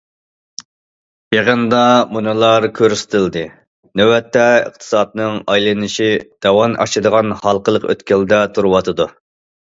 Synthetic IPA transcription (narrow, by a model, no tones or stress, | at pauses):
jeʁənd̪ɑmunɨlˠɑɾkʲʰøɾsɪ̥t̪ʰɪld̪ɨ | nɛwɛt̪ːɛə̰q̚t̪ʰɨ̥sɑd̪nɨŋɑjlˠɨnɨʃid̪̥ɑwɑnʔɑ̰ʃɨd̪əʁɑnhɑlˠqəlˠəqø̰t̪kʲɛld̪ɛt̪ʰuɾwɑt̪ʰɨd̪u